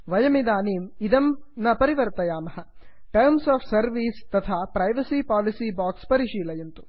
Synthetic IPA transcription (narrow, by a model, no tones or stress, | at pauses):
ʋɐjɐmid̪aːniːmid̪ɐmnɐpɐɾiʋɐɾt̪ɐjaːmɐɦɐ | ʈɐɾmsaːpʰsɐɾʋiːst̪ɐt̪ʰaːpɾɐjʋɐsiːpaːlisiːbaːkspɐɾiʃiːlɐjɐnt̪u̥